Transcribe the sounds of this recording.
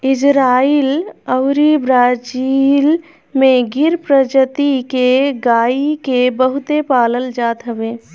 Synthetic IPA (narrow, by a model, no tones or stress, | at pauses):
ɪd͡ʒɾaːiːləʊɾibɾaːd͡ʒil | mẽɡɪɾpɾəd͡ʒət̪ikeɡaːikebəɦʊt̪epaːləld͡ʒaːt̪ɦəbeː